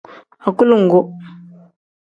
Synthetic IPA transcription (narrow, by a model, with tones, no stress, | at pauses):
a˨ku˦lu˦ŋ̩˨ɡo˦